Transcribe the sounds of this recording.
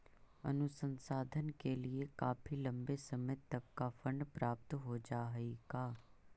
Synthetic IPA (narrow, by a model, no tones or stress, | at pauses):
ə̰nʊsənsaːd̪ʱənkelɪekaːpʰiːlə̃mbesəmeːt̪əb̚kafʰəɳɖpɾaːp̚t̪ɦoːd͡ʒaːɦiɡaː